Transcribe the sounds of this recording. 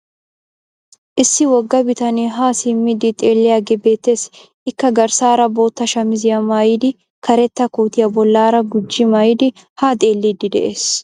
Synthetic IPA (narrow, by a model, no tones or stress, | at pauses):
ʔɪsːɪwɔɡːɐbɪt̪ɐniːɦaːsimːɪd̪ɪt̪ʼeːlːɛɐɡɛbeːt̪ːes | ɪkːɐɡɐɾsaːɾɐbo̞ːt̪ːɐʃɐmɪzɪjɐmaːjɪd̪ɪ | kɐɾɛt̪ːɐkuːt̪ɪjɐbɔlːaːɾɐɡʊd͡ʒːɪmaːjɪd̪ɪ | haːt̪ʼeːlːid̪ɪd̪ɛ̰ʔeːs